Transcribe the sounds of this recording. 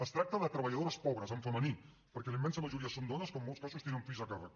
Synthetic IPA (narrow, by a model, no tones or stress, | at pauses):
əst̪ɾak̚t̪əðət̪ɾəβəʎaðoɾəspɔβɾəzəɱfəməni | pəɾkɛlimːɛnsəməʒuɾiəsond̪ɔnəskəmːɔlˠtskasust̪enəmfizəkarə